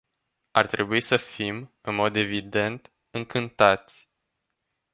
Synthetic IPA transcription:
a̰rt̪ɾe̞buisəfimɨnmo̞d̪e̞vid̪e̞nt̪ | ɨŋkɨnt̪at̪sʲ

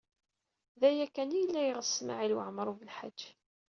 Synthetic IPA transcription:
ðæjækːænijəlːæjəʁəsːma̰ʕilwə̰ʕmɾˤuvəlħa̰d͡ʒː

